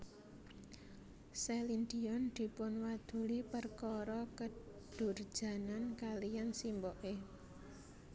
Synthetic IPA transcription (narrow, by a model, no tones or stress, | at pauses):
sɛlind̪iɔnd̪̥i̤pʊnwad̪̥ṳlipərkɔɾɔkə | d̥ʊ̤r̥ʒ̥ä̤nankalijansimbɔʔe